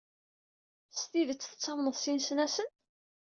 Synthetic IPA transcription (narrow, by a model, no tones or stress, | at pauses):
st̪iðət͡sːθə̥t͡sːɑmnəðsinsnæsən